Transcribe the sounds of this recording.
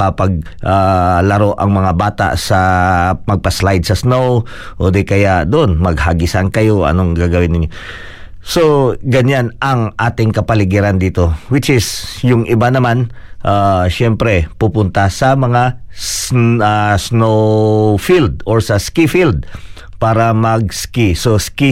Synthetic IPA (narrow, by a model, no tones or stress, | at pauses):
apɐɡ̚ | ʔalɐɾo̞ʔɐŋmɐŋabaːt̪a̰ʔsɐpɐɡ̚pɐslajd̪̚sɐsnow | ʔoːd̪ɛkɐjaʔd̪oʔonmɐɡ̚haɡɪsankɐjo̞ʔɐ̰noŋɡaɡɐwɪnːɪɲjo | soɡɐɲanʔɐŋʔaːt̪ɪŋkɐpɐlɪɡɪɾɐnd̪iːt̪o̞wɪt͡ʃɪsjʊŋʔɪbanɐmanʔaʃɛmpɾɛpupʊnt̪asɐmɐŋa | asnowfild̪̚oɹsɐskifild̪̚ | paːɾɐmɐɡ̚skisoski